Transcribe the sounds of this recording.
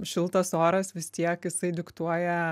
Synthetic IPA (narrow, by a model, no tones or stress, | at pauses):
ʃʲɪlˠt̪ɐsoːɾɐsʋʲɪst̪ʲiɛkjɪsɐɪd̪ʲɪkt̪uɔjɛ